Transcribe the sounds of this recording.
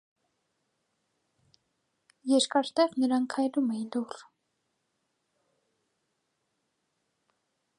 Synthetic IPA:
jɛɾkɑɾt̪ɛʁnəɾɑnkʰɑjlumɛilur

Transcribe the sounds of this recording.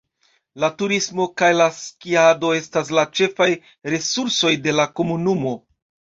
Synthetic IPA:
latuɾismo̞kajlaskiado̞e̞stas̬lat͡ʃe̞faj | ɾe̞suɾso̞jde̞lako̞munumo̞

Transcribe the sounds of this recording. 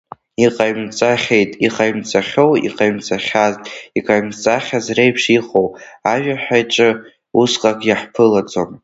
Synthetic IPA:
iqʼajmt͡sʼaχʲe̞jtʼiqʼajmt͡sʼaχʲowḭqʼajmt͡sʼaχʲaztʼiqʼaɥmt͡sʼaχʲazrejpʰʂiχowaʒᶣaħajʈ͡ʂʼɨ | usqʼakʼjaħpʰɨlad͡zom

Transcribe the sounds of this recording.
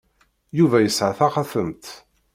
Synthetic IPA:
juvæjəsʕaθaχaθəmt̪

